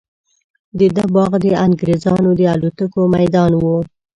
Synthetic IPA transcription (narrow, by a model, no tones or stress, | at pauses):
d̪əd̪abɑɣd̪əaŋɡɾezɑnod̪əalut̪akomajd̪ɑnwu